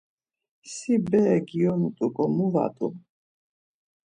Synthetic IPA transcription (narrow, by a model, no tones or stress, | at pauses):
sibɛɡiɔmut̪ʼukʼɔmuva̰t̪ʼum